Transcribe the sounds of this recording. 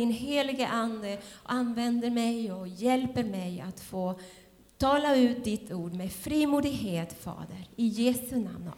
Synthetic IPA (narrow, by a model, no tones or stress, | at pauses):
ɪnɦeːlɪɡəʔand̪əɔ̰anvɛnd̪əɾmɛjɔjɛlpəɾmɛjat̪foː | t̪ʰɑːlaʉ̟ːt̪̚d̪ɪt̪ʰːuːɖmeːfɾiːmuːd̪ɪɡɦeːt̪fɑ̰ːd̪əɾɪjeːsɵna̰mn